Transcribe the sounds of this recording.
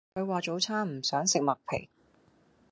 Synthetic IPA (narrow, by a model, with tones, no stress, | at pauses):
kʰɵ˨˧ɥwaː˨t͡ʃo˨˥wt͡sʰaː˥m̩˨˩sœː˨˥ŋsɪ˨k̚mɐ˨k̚pʰḛ˨˩j